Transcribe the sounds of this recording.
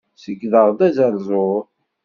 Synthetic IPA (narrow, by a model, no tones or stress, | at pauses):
səɡðəʁd̪æzəlzˤo